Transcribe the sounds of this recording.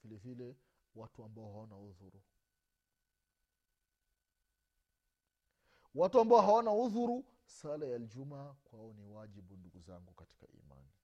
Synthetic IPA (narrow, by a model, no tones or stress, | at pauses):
v̥ilɛvilɛwatuambaɔhawanauðuɾu | watuambaɔɦawanauðuɾu | salajald͡ʒumakwaɔniwaʄiɓunduɡuzaŋɡukati̥ka̰ʔḭma̰ni